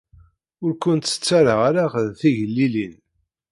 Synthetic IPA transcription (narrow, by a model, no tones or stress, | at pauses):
ʊɾkʷənt̪sə̥t͡sːaɾəʁaɾaʁðθiʝəlːilin